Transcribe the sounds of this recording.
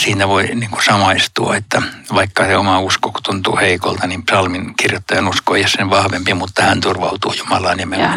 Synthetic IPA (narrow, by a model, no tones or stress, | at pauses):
siːnæʋoiniŋkusɑmɑist̪uɑet̪ːæʋɑikːɑseomɑuskokut̪unt̪ṵːheikolt̪ɑnimpsɑlminkirjot̪ːɑjɑnuskoeijosseʋɑhʋempimut̪ːɑhænt̪urʋɑut̪uːjumɑlɑːnime